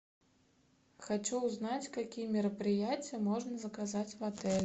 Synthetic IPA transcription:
xat͡ʃuwznat͡sʲkakʲijɛmʲɪɾɐpɾɨjat͡sʲjɛmɔʐnɐzɐkazat͡sʲvat̪ɛlʲ

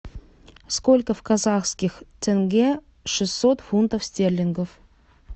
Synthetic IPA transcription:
skolʲkəfkazɑχskʲixt̪ʲʰɘ̆ŋɡʲe | ʂɨsːot̪funt̪əfsʲt̪ʲerʲlʲɪŋɡof

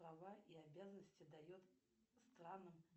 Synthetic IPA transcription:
ɾavaʔiabʲazənəsʲtʲɪd̪ɐjot̪ | st̪ɾanːɨm

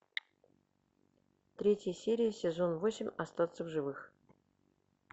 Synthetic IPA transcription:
t̪ɾʲetʲjəsʲeɾʲɪjəsʲɪzo̞nvosʲɪmʲast̪at̪səvʐɨvɨx

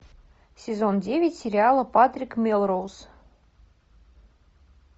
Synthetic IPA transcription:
sʲezondʲevʲɪtʲsʲɪɾʲɪalˠɤpat̪rʲikmʲelˠrows

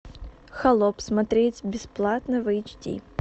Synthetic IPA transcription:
xɐlˠɔpsmɐt̪ɾʲetʲbʲɪsplˠat̪nəvɨɪt͡ɕtʲḭ

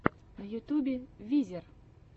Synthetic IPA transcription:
nɐjut̪ʲubʲevʲizʲer

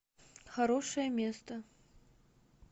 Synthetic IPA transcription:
xaɾɔʂɐjɐmʲest̪ɐ

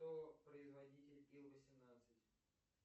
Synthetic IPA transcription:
opɾəɪzvɐdʲitʲɪlʲilˠvəsʲɪmnat̪sɨtʲ

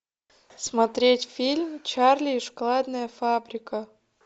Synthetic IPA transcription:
smɐt̪ɾʲetʲfʲilʲmt͡ɕarlʲɪːʂklˠad̪nəjəfabɾʲɪkə

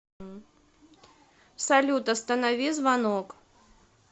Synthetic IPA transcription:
salʲut̪ɐst̪ɐnavʲizvanɔk

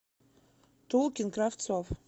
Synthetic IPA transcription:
tʰowkʲɪnkraft͡sʰɔf

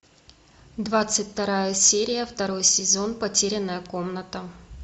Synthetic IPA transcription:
d̪vat̪sɨtʲt̪ɐɾajəsʲeɾʲɪjəft̪ɐɾo̞jsʲɪzo̞npɐtʲeɾʲɪnːəjəko̞mnət̪ə

